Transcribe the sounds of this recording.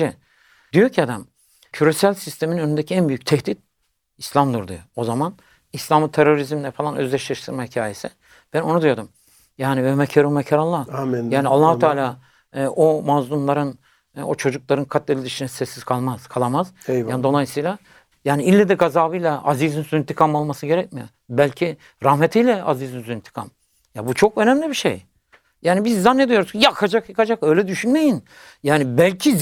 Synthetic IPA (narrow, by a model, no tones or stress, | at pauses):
ɛ | d̪ijo̞ɾcʰiad̪am | cʰyɾesælʲsist̪ʰe̞miinø̞nynd̪ecʰiænbyjyc̚t̪ʰɛhd̪it̪̚ | islʲamd̪uɾd̪ujoozaman | islʲamɯt̪ʰeɾo̞ɾizmlʲɛfalˠanø̞̰zlʲɛʃlʲaʃt̪ʰɯɾmahicʰaːje̞sɪ | b̥æno̞nud̪yjod̪um | jaːnivɛmɛcʰaɾumɛcʰaɾalˠːajaːnialˠːaːhut̪ʰaːlʲaː | ʔomazlˠumlˠaɾɯn | ot͡ʃʰo̞d͡ʒuk̚lˠaɾɯnkʰat̪̚delʲid̪iʃinɛsɛsːiz̥kʰalˠmaz̥kʰalˠamaz̥jaːnd̪o̞lˠajsɯjlʲˠa | jaːniilʲːɛd̪ɛɡazaːbɯjlʲˠaʔazizinsuint̪ʰikʰamalˠmasɯɟe̞ɾɛc̚mijo | bælʲcʰi | ɾahmet̪ʰijlʲɛazizinsint̪ʰi̥kʰa̰m | jabut͡ʃʰokø̞næmlʲibiʃḛj | jaːnibizːanːed̪ijo̞ɾuzjakʰad͡ʒakjakad͡ʒakø̞jlʲɛd̪yʃynme̞jin | jaːnibælʲcʰi